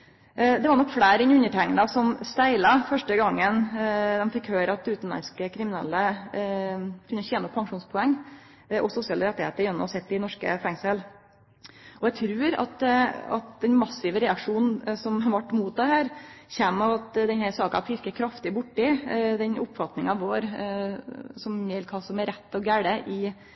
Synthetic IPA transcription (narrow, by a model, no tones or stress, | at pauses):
d̪ɛʋɑɾɳɔkːfɽæːɾɛnʉɲːəʈʰæŋnɑsɔmst̪æɪlɑfœʂʈəɡɑŋːənd̪ɛmfɪkhøːɾəɑt̪̚d̪ɛʉːt̪n̩lɑ̰nskəkʰɾɪmɪnɛ̰lːə | kʰʉnːəçɛːnɔpʰːɑŋʂuːnspʰɔɛŋː | ʔɔsʊsɪɑːləɾɛt̪ːɪheːt̪əɾjɛnːsɛt̪ːɪnɔʂkə̰fæŋsəl | ʔɔɛt̪ʰɾʉːɾɑ̰t̪ɑ̰t̪d̪ɛnmɑsɪʋəɾɛɑkʂuːnn̩sɔmʋɑʈːmuːt̪̚d̪ɛhæːɾçæːmɑʋɑt̪d̪ɛnhæɾsɑːkɑ̰fʰɪɾkəkʰɾɑft̪ɪbʊʈːɪd̪ɛnʔʊpːfɑt̪nɪŋɑʋʋoːɾ | sɔmjɛlkʰɑsɔmɛɾɛt̪ːɔɡæɽəʔɪ